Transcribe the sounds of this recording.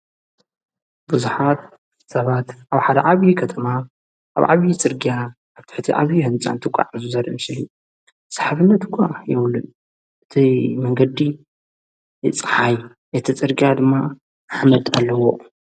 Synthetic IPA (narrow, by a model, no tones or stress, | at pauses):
bɨzuħat̪̚ | sɐβat̪ʔaβħad̪ɐʕaβjikʰɐt̪ʰɐma | ʔa̰βʕa̰βjit͡sʼɨɾɡija | aβt̪ʰɨ̥ħt̪ʰiʔaβjihɨnt͡sʼa̰nt̪ʰɨkʷʼa̰ʕzuzɐɾimɨslu | sʼḁħaβɨnːɐt̪kʷʰʼːajɛβlːɨn | ʔɨt̪ʰimɐŋɡɐd̪i | ɨt͡sʼɨħaj | ʔɐt̪ʰit͡sʼɨɾɡijad̪ɨmːa | aħmɐt̪ʼalːɐwo